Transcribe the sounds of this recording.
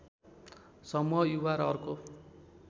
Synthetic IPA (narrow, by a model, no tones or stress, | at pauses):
sʌmuɦʌjuwaɾʌrko